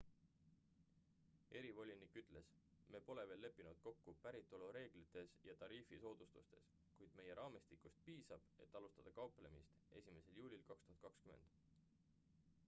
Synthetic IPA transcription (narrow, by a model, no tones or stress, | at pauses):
e̞ɾivo̞lʲinikːˑyt̪ːˑle̞sme̞ːpo̞le̞ve̞ːlːe̞pːˑinud̪̥ko̞kːupæɾit̪ːˑoluɾe̞ːɡ̥lit̪ːˑe̞sjɑt̪ɑɾiːfiso̞ːd̪̥ust̪ust̪e̞̰s | kujd̪̥me̞je̞ɾɑːmist̪ikːˑust̪̚piːsɑb̥e̞̰t̪ːˑɑlust̪ɑd̪̥ɑkɑwple̞mist̪e̞sʲime̞se̞ljuːlʲilkɑkst̪uɦɑd̪t̪̚kɑkskyme̞nd̪̥